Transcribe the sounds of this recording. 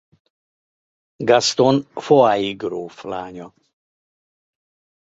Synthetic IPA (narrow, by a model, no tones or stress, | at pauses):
ɡast̪onfoaiɡɾoːflaːɲʲɔ